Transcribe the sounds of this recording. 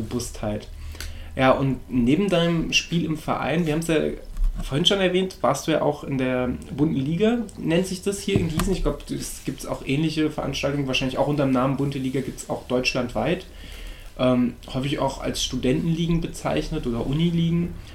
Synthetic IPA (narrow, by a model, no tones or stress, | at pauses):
b̥əvʊsthaɪt | jaːʔʊntneːbm̩daɪnəmʃpiːlɪmfɛ̰ɐʔa̰ɪnviɐhabmsja̰ːfoɐhɪnʃonɛɐvɛːntv̥aːɐstd̥uːja̰ːʔa̰ʊxɪndeːɐbʊntn̩liːɡanɛnzɪçd̥ashiːɐɪnɡiːsn̩ɪçɡ̥laʊbəd̥usɡ̥iːp̚tsa̰ʊxʔɛːnlɪçəfɛɐʔa̰nʃtaltʊŋənvaːɐʃaɪnlɪçʔaʊxʔʊntɐmnaːmənbʊntəliːɡaɡiːptsaʊxd̥ɔʏt͡ʃlantv̥aɪt | ʔɛːmhɔʏfɪça̰ʊxa̰lsʃtudɛntn̩liːɡŋ̩bət͡sa̰ɪçnətʔoːdɐʔʊniliːɡŋ̩